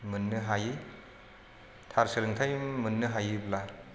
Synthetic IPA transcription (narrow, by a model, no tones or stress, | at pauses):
mɯnːɯɦaji | tʰaɾsɯlɯŋtʰajmɯnːɯɦajibla